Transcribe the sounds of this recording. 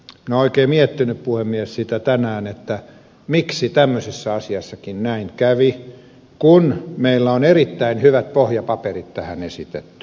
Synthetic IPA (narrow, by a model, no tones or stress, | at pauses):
mĭnæoikeːmiet̪ːinyppuhemːiessit̪æt̪ænæːnet̪ːæ | miksit̪æmːøsisːɑɑsiɑsːɑkinnæiŋkæʋi | kunmeilːæonerit̪ːæinhyʋæt̪̚pohjɑpɑperit̪t̪æhænesit̪et̪ːy̥